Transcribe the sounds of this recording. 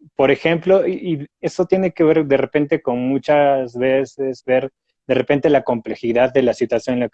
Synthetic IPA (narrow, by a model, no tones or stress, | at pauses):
po̞ɾe̞xe̞mplo̞iʔie̞so̞t̪je̞ne̞ke̞βe̞ɾðe̞re̞pe̞nt̪e̞ko̞nmut͡ʃazβesezβe̞ɾ | ðe̞re̞pe̞nt̪e̞lako̞mple̞xiðaðːe̞lasit̪wasjonla